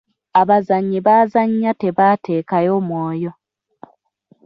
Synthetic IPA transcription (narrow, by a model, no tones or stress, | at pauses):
aβazaɲːiβazaɲːate̞βaːte̞ːkajo̞ːmwoːjo̞